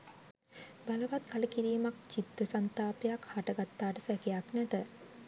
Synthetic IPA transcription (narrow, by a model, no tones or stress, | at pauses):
baləʋat̪kʰaləkiɾiːmak̚t͡ʃit̪ːəsant̪aːpejakhaʈəɡat̪ːaːʈəsækejaknæt̪ə